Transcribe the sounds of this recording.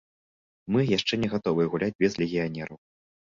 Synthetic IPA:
mɨjaʂt͡ʂɛnʲɛɣat̪ɔvɨjɛɣulʲad͡zʲbʲɛzlʲɛɣʲijanʲɛɾɐw

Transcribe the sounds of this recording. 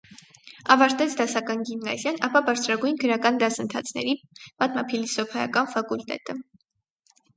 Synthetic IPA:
ɑvɑɾt̪ɛt͡sʰd̪ɑsɑkɑnɡimnɑ̰zjɑnɑpɑbɑɾt͡sʰɾɑɡujnɡəɾɑkɑnd̪ɑsənt̪ʰɑ̰t͡sʰnɛ̰ɾipɑt̪mɑ̰pʰilisɔpʰɛjɑ̰kɑnfɑkult̪ɛ̰t̪ə

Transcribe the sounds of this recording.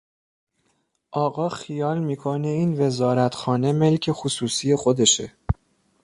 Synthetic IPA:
ʔɒːɣɒːxijɒːlmiːkʰoneiːnve̞zɒːɾæt̪ʰxɒːne̞me̞lcʰe̞xusuːsiːje̞xo̞d̪e̞ʃe

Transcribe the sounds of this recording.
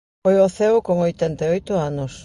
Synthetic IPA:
ojoθewkoŋojt̪ent̪eojt̪ʊanos

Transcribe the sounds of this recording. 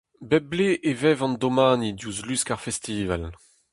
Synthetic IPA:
bɛbleʔevɛvɑ̃nd̪omaːnid̪juzlyskaʁfɛst̪iːva̰l

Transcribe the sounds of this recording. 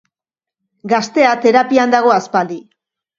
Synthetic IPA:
ɡast̪e̞at̪e̞ɾapiand̪aɣ̞o̞aspald̪i

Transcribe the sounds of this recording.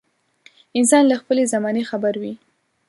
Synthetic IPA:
ɪns̬ɑnlaxpəlezamɑnexabaɾwi

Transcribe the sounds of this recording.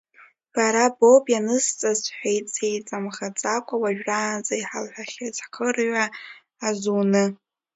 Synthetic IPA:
b̥aɾabobʼjanɨst͡sʼazħʷᶣejtt͡sejt͡sʼamχat͡sʼakʷʼawaʒᶣraːnzʼaiħalħʷᶣaχʲazħχʰərɥʷaː | zunɨ

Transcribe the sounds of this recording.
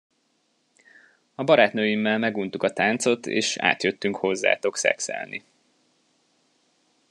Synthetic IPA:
ɒbɒɾaːt̪nøːjimːɛlmɛɡunt̪ukɒt̪aːnt̪so̞t̪ḛːʃa̰ːt̪jøt̪ːyŋkho̞zːa̰ːt̪o̞ksɛ̰ksɛ̰lnḭ

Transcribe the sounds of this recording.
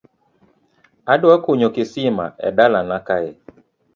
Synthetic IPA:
adakoɲokɪsɪma̰ʔɛ̰dalanakaɛ

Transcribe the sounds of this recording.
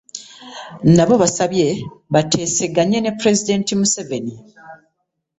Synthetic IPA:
naβo̞βasaβje̞βatʰe̞ːse̞ɡaɲenepːɾe̞zide̞ːntimuse̞ve̞ni

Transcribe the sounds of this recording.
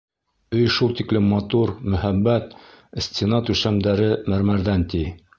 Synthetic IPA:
ɵjʃulˠt̪iklɘmːɑt̪uɾmɵ̆hæbːæt̪ | sʲt̪ʲɪnɑt̪ʉʃæmd̪æɾɘmæɾmæɾðænt̪i

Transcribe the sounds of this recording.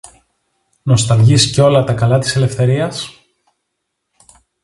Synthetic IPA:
no̞st̪ɐlʝisceo̞lɐt̪ɐkɐlɐt̪ise̞le̞fθe̞ɾiɐs

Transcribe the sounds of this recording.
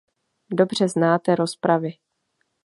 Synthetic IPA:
do̞br̝ɛznaːt̪ɛɾo̞spɾavɪ

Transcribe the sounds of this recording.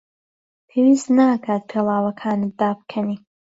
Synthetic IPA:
pʰeːwiːst̪nakʰaːt̪̚pʰeːlˠaːwɐkʰaːnɨd̪aːb̚kʰɐni

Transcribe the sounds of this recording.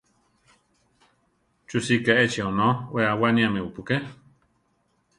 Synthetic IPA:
t͡ʃusikaet͡ʃionõweawanĩamẽupuke

